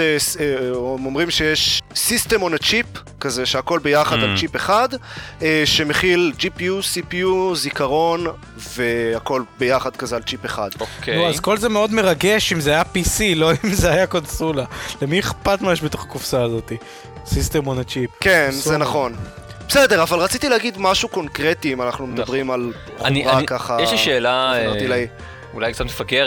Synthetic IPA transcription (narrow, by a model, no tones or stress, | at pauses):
es | omʁimʃejeʃsist̪emonat͡ʃip | kazeʃeako̞lbejaχad̪alt͡ʃipeχad̪eʃe̞meχild͡ʒipiusipijuzikaʁo̞n | veako̞lbejaχad̪kazealt͡ʃipeχa̰d̪okeoazko̞lzemeo̞d̪meʁaɡe̞ʃimzeajapisilo̞imzeajakonsulalemieχpat̪majeʃbet̪o̞χḁkufsaːzo̞t̪i | sist̪emonet͡ʃipkenzzenaχo̞n | besedeʁavalʁat͡sit̪ileaɡid̪maʃuko̞nkʁet̪iimanaχnumed̪abʁimal | χuiʁakaχajeʃiʃeːlaat̪ilaj | ulajkt͡sat̪mefaɡe